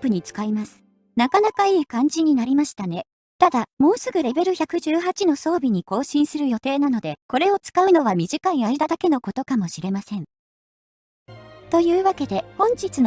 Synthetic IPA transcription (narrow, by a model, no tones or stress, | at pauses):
pɯ̟ɲ̟it͡sɨ̥kaimasɨ̥ | nakanakaiːkãɲ̟d͡ʑiɲ̟inaɾʲimaɕi̥t̪ane̞ | t̪ad̪amo̞ːsɨɡɯ̟ɾe̞be̞ɾɯ̟çʲakɯ̟ʑɨːɦat͡ɕino̞so̞ːbʲiɲ̟iko̞ːɕĩɰ̃sɨɾɯ̟jo̞t̪e̞ːnano̞d̪e̞ko̞ɾe̞o̞t͡sɨ̥kaɯ̟no̞βamʲiʑikãĩaid̪ad̪ake̞no̞ko̞t̪o̞kamo̞ɕiɾe̞masẽ̞ɴ | t̪o̞jɯːβake̞d̪e̞hõ̞ɲ̟d͡ʑit͡sɨn